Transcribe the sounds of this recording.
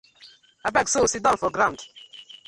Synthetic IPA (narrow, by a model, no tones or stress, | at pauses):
abɛɡsosit̚dãnfɔɡɾãnd